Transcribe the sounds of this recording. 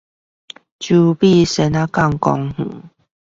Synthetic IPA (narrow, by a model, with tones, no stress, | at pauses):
t͡ɕu˧pi˥˧˨sɛ˧na˦ka˥˧ŋkɔ˧ŋhṵ̃˨˦